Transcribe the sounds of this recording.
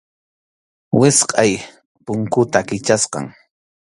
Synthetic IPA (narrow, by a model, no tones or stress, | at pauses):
wɪsqʼɑj | pʊŋkʊt̪akɪt͡ʃasqɑ̰ŋ